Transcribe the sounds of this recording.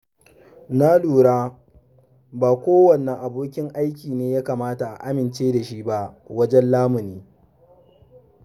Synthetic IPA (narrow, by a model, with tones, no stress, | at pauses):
na˦luː˨ɽaː˦ | baː˨kʷoː˦wɐ˨nːɛ˨ŋʔa˨boː˦kʲɪ˦ŋʔa˦jkʲiː˨neː˦jaː˦kaː˨maː˦ta˨ʔa̰˨ʔa˦mɪ˨nt͡ʃeː˦da˨ʃi˦ba˦ʔwɐ˦d͡ʒɛ˦nlaː˦mʊ˨niː˦